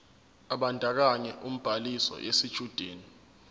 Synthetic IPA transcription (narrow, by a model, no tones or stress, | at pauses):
aɓandʱak̬aɲɛʔum̩b̥ʱalisɔ̰ʔesid̥ʒ̥ʱud̥ʱeːni